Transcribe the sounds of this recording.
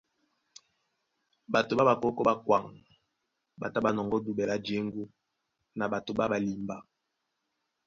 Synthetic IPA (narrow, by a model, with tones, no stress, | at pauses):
ba˨to˨ba˦ba˨kɔ˦kɔ˦ba˦kwa˨ŋ | ba˨ta˦ba˨nɔ˨ŋɡɔ˦du˨bɛ˨la˦d͡ʒe˨˦ŋɡu˦ | na˨ba˨to˨ba˦ba˨li˨mba˨